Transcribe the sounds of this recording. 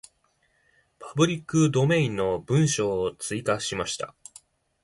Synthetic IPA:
pʰḁbɯ̟ɾʲikːɯ̟d̪o̞mẽ̞ĩnːo̞bɯ̟̃ɰ̃ɕo̞ːt͡sɨikaɕimaɕi̥t̪a̰

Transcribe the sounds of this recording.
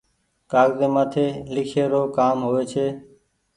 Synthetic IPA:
kaːɡzeːmaːt̪ʰeːlɪkʰeːɾoːkaːmɦoːʋeːt͡ʃʰeː

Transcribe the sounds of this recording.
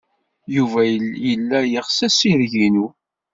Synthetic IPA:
juvæjəlːæjəʁsæsiɾʝinu

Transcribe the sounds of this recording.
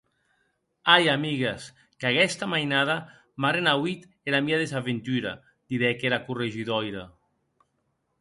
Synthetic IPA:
ajamiɣes | kakɛst̪amajnaða | maɾenawit̪ | eɾamiaðezaβent̪yɾa̰ | d̪̥iɾɛkeɾakureʒiðɔjɾa

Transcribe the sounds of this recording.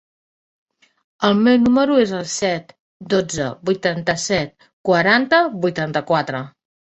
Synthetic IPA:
əlˠmewnuməɾuezəlˠsɛt̪ | d̪od͡zəbujt̪ant̪əsɛt̪̚ | kwəɾant̪əbujt̪ant̪əkwat̪ɾə

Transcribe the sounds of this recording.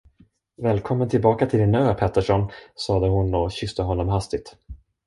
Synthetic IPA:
vɛːlkʰɔmːənt̪ʰɪlbɑːkat̪ʰɪlɪnøːpʰɛt̪ːəʂɔnsɑːd̪əhʊnɔɕʏst̪əɦɔnːɔmɦast̪ɪɡ̚t̪

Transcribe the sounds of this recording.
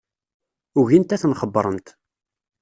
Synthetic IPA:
ʊʝint̪æθnχəbːəɾˤənt̪

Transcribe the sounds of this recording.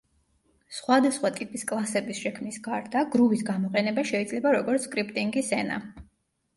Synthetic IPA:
sχwad̪asχwat̪ʼipʼiskʼlˠasɛbisʃɛkʰmnisɡaɾd̪aɡɾuvisɡamɔqʼɛnɛbaʃɛid̪zlɛbaɾɔɡɔɾt̪sʰkʼɾipʼt̪ʼiŋɡisɛna̰

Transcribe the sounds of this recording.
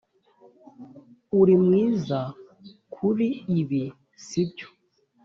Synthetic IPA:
uɾimŋiːza | kʰuɾiːβi | sibɟo̥

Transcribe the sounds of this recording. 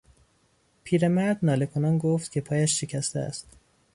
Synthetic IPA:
pʰiːɾemæɾd̪nɒːle̞kʰonɒːnɡoft̪cʰʲe̞pʰɒːjæʃːecʰæst̪eæ̰st̪

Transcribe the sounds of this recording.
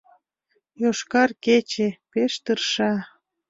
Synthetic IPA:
joʃkɑrket͡ɕepeʃt̪ərʃɑ

